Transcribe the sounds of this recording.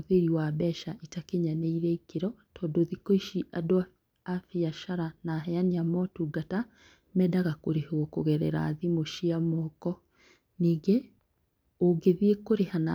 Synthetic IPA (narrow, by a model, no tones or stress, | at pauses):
ðeɾiwabɛʃaʔitakeɲanɛiɾɛikeɾɔtʰɔdoðikoiʃiʔadowa | afiaʃaɾanaɦɛaniamɔtuɡata | mɛdaɣakoɾehoɔkoɣɛɾɛ̰ɾa̰ːðimoʃiamɔkɔ | niːɡe | oɡeðiekoɾehana̰